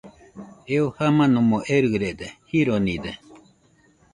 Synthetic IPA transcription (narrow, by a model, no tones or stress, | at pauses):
eohamãnũmõʔeɾɨɾed̪ehiɾonĩd̪e